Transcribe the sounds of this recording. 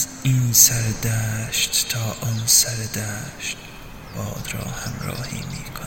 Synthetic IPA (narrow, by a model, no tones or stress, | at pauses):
ziːnsæɾd̪æʃt̪t̪ʰɒːʔɒːnsæɾd̪æʃt̪̚ | b̥ɒːd̪ɾɒ̰ːhæmɾɒ̰ːhḭːmiːkʰon